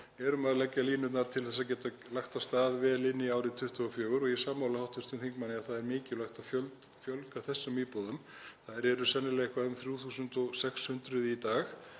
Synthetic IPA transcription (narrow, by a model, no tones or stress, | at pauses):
ɛɾʏmaðlɛcːaliːnʏt̪naɾt̪ʰɪlθɛs̬ːacɛːt̪a | laxt̪ast̪aːðvɛːlɪnːiaːwɾɪt̪ʰʏht̪ʰɔɣʏfjœːɣʏɾɔɣjɛsaːmːawlahawht̪ʰʏst̪ʏnθiŋkmanːɪaθaðɛɾmɪːcɪlaht̪afjœlt̪ | fjœlkaθɛsːʏmiːpɔðʏm | θaðɛɾɛɾʏsɛnːɪlɛɣhkʰvaɾðʏmθɾjuːθuːsʏnt̪ɔɣsɛkshʏnt̪ɾʏðit̪aːx